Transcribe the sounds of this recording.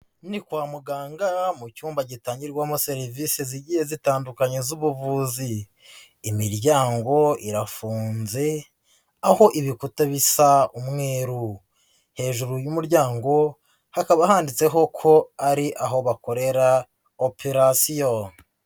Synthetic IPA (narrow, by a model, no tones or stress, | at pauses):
nikwaːmuɡaːŋɡamucuːmbaɟitaːɲɟiɾɡwamose̞ɾiviseziɟihezitaːndukaɲezuβuvuziː | miɾɟaːŋɡo̞iɾafuːnze̞ | aho̞ʔiβikutaβisaumŋe̞ːɾu | he̞ːʒuɾujumuɾɟaːŋɡo̞ | hakaβahaːndit͡se̞ɦo̞kʰo̞aɾiʔaɦo̞βako̞ɾe̞ɾa | opʰeɾasijo